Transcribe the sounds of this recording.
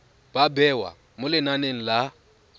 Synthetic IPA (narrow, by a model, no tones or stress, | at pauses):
b̥abɛwa̰ | mʊlɪnaneŋ̩la